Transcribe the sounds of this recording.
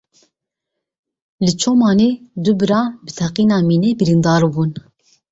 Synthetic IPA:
lɨt͡ʃʰoːmɑːneːd̪ubɨɾɑːbɨt̪ʰɛqiːnɑːmiːnebɨɾiːnd̪ɑːɾbuːn

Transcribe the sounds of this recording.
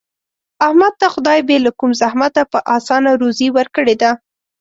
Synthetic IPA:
ahmad̪̚t̪axʊd̪ɑjbelakumzahmat̪apəʔɑsɑnaɾoziwəɾkəɽed̪a

